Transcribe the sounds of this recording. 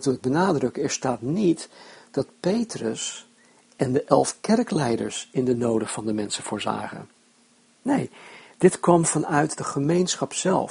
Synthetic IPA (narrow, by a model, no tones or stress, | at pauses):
tuəɡ̚bənaːdrɵkəɛɹstaːtnitd̥ɑt̚pejtrəs | ʔɛndəʔɛlˠfkɛrklɛjdə̰ɹsɪndənowdəv̥ɑndəmɛnsəv̥ʊːɹza̰ːχə̰n | nejd̥ɪtkʋɑmvɑnœɥtdəχəmejnsχɑpsɛ̰lˠ